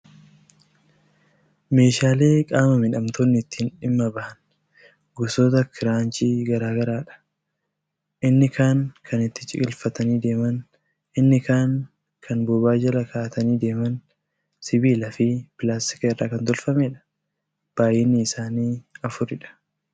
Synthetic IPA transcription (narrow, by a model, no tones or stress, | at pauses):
me̞ːʃaːle̞ːkʼaːmɐmɪᶑɐmt̪oːnːɪɪt̪ːiːnᶑɪmːɐbɐʔɐn | ɡʊsoːt̪ɐkʰɪɾaːnt͡ʃiːɡɐɾaːɡɐɾaːᶑɐ̥ | ʔɪnːɪkaːŋkʰɐnɪt̪ːɪ̥t͡ʃʼɪ̰ɡɪlfɐt̪ɐniːd̪e̞ːmɐn | ʔɪnːɪkaːŋ | kʰɐnbɔbaːd͡ʒɐlɐkaːʔɐt̪ɐniːd̪e̞ːmɐn | sɪbiːlɐfɪpɪlaːst̪ɪ̥kɐɪrːaːkɐnt̪ɔlfɐmeːᶑɐ̥ | b̥aːjɛnːɪːsaːniːɐfʊɾɪᶑɐ̥